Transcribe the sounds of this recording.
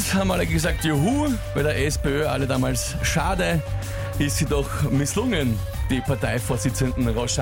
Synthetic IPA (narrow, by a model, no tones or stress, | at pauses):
shaːbm̩aləɡəzaːk̚tjoɦuːvæɪdɐʔɛspeøːʔa̰lədaːmaːls | ʃaːdə | ʔɪstsidɔxmɪslʊŋən | d̥iːpʰaɐtaɪfoːɐsɪt͡səndn̩ʁɔsa